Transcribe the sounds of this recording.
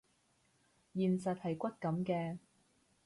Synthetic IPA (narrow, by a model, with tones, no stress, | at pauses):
jiː˨nsɐ˨t̚hɐ˨jkʷɐ˥t̚kɐ˨˥mkɛː˧